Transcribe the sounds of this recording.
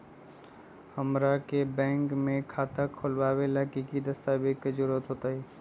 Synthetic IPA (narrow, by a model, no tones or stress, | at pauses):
həmɾakebɛ̃ːŋkmẽkʰaːt̪akʰːolʋaːʋelakikid̪əst̪abikːəd͡ʒuɾət̪ɦot̪aɦi